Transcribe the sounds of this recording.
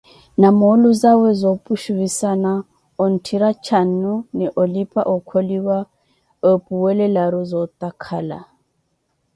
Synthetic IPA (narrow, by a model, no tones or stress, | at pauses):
namoluzawɛzopʼuʃuβisana | ɔn̩tʰiɾat͡ʃʰan̩ːunɛʔolipʼa̰ʔɔkʰoliwa | opʼuwɛlɛlaɾuzɔt̪ʼakʰaːla̰